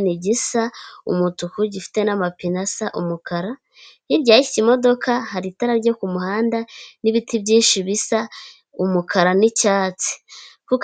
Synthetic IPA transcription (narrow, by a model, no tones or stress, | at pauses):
niɟisaṵmutukuɟifi̥te̞namapinasaʔumukaɾa | iɾɟaːii̥cimo̞do̞kʰahaɾitaɾaɾɟo̞kumuhaːndaniβitʰibɟiːnʃiβisa | umukʰaɾanicaːt͡si̥kuk